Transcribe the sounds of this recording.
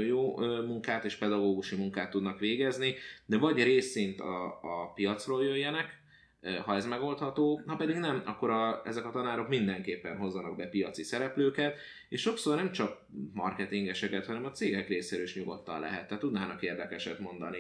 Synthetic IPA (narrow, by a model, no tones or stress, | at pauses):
joːmuŋkaːt̪eːʃpɛd̪ɒɡoːɡuʃimuŋkaːt̪ːud̪nɒkʋeːɡɛznid̪ɛvɒɟreːsint̪ɒ̰ːpijɒt̪sroːljøjːɛnɛk | ɦɒɛzmɛɡo̞lt̪hɒt̪oːnɒpɛd̪iɡnɛmɒkːo̞ɾɒɛ̰zɛkɒt̪ɒnaːɾo̞kmind̪ɛŋkeːpːɛnɦo̞zːɒnɒɡ̚bɛpijɒt̪sisɛɾɛpløːkɛt̪ | eːʃo̞ksornɛmt͡ʃɒk̚ | mɒ̰rkɛt̪iŋɡɛʃɛkɛt̪hɒnɛmɒt̪seːɡɛkreːsɛɾøiʃɲuɡo̰t̪ːɒ̰nlɛ̰ɦɛt̪ːɛːt̪ːud̪naːnɒkeːrd̪ɛkɛʃɛt̪mo̞nd̪ɒ̰ni